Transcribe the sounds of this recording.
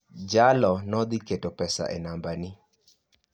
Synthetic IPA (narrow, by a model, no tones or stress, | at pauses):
d͡ʒalɔnɔd̪ɪketopɛsa̰ʔɛnambanɪ